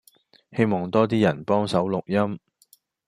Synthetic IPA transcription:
he˥jmɔː˨˩ŋt̪ɔː˥t̪̬iː˥jɐ˨˩npɔː˥ŋsɐ˨˥wlʊ˨k̚jɐ˥m

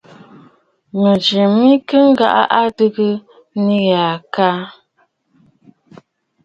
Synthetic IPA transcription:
mə˨d͡ʒi˨mi˦kə˦ŋ˦ɡa̰˨ʔa̰˦ʔa˦dɨ˦ɡə˦ | ni˦ɣa˨ka˦

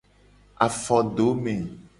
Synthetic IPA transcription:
a˨fɔ˨ɖo˨˦mẽ˨

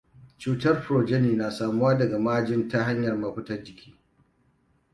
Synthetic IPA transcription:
t͡ʃuː˨tɐ˦rɸʊ˨ɾoː˨d͡ʒɛ˦niː˨naː˨saː˨mʊ˦waː˦dɐ˨ɡa˨maː˦d͡ʒɪ˦nta˦ɦa˦ɲjɐ˨rmaː˨ɸʷʊ˦tɐ˦rd͡ʒɪ˨kʲʰi̥ː˦

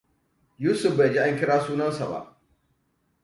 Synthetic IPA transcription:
juː˦sʊ˨ɸ̚ba˨d͡ʒi˦ʔa˦ŋkʲɪ˦ɽaː˦suː˦nɐ˦nsa˨ba̰˦ʔ

